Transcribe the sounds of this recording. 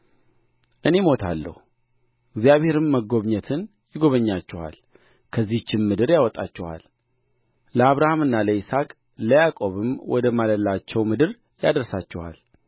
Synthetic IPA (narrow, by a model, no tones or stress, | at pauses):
ʔɨne̞mo̞t̪ʰa̰lːə̰hu | ɪɡzijaβhe̞ɾɨmːəɡo̞βɲət̪ʰɨn | jɪɡo̞βəɲːat͡ʃːɛwa̰l | kʰəzːiht͡ʃːɪmːɨd̪ɨɾjawɔt̪ʼat͡ʃːɛwa̰l | ləaβɾahamɨnːaləisakʼ | ləjakʼo̞βɨmwɔ̰d̪əmaləlːat͡ʃːɛwmɨd̪ɨɾ | ja̰d̪əɾsat͡ʃːɛwa̰l